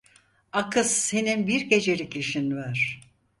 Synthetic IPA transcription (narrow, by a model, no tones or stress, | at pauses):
akɯsːe̞ninbiɾɟe̞d͡ʒe̞ɾicʰiʃinvaɾ̥